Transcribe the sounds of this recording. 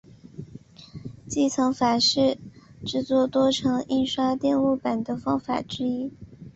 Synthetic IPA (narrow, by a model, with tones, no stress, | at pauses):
t͡ɕi˥˩t͡sʰɤ˧˥ŋfa˨˩ʂɻ̩˥˩ʈ͡ʂɻ̩˥˩t͡swɔ˥˩t̪wɔ˥ʈ͡ʂʰɤ˧˥ŋi˥˧nʂwa˥t̪jɛ˥˧nu˥˩pa˨˩nd̪ə˦fɑ˥ŋfa̰˨˩ʈ͡ʂɻ̩˥i˥